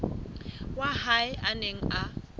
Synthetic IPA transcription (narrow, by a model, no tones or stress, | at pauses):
wahaɪaneŋ̩ʔa